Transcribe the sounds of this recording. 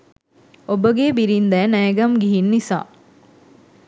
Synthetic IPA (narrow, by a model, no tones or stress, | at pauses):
obəɡeːbiɾind̪ɛːnæɡɐmɡiɦinːisa̰ː